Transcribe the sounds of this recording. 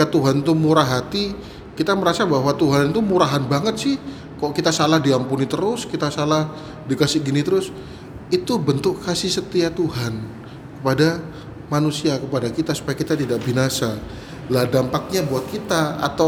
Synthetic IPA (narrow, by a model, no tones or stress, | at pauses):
ikat̪uɦant̪umuɾaɦat̪i | kit̪aməɾasabaɦwat̪uɦant̪umuɾaɦanbaŋət̪̚sɪh | kaʔkit̪asalahdiampunit̪əɾʊskit̪asalah | dikasɪɡinit̪əɾʊs | it̪ubənt̪ʊkkasɪhsət̪iat̪uɦan | kə̥pada | manusiakəpadakit̪asu̥pajakit̪at̪idaʔbinasa | lahdampak̚ɲabuat̪̚kit̪aa̰t̪aw